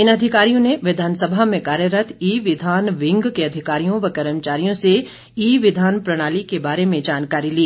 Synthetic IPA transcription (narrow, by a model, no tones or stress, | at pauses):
ɪnɐd̪ʱɪkaːɾijõneʋɪd̪ʱaːnsəbʱamẽkaːɾjəɾət̪ʰiːʋɪd̪ʱaːnʋɪ̃ŋɡkeɐd̪ʱɪkaːɾijõʋɐkəɾəmt͡ʃaːɾijõse | iːʋɪd̪ʱaːnpɾɐɽ̃aːlikebaːɾemẽd͡ʒaːnkaːɾiliː